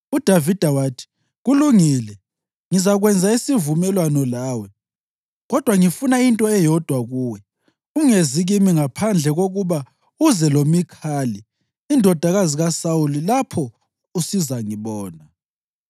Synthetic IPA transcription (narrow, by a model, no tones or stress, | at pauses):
ud̥ʱavid̥ʱawaːtʰi̥ | ɣuluŋiːlɛ | ŋizaɣwɛnd͡zʱaisivumɛlwanɔlaːwɛ | ɣɔd̥ʱwaŋifunaintʼɔɛjɔd̥ʱwaɣuːwɛ | uŋeziɣimiŋapʰand͡ɮʱɛɣoɣuβa | uzɛlomikʰaːliː | ndʱɔd̥ʱaɣaziɣasaulilapʰɔ | usizaŋiβɔːna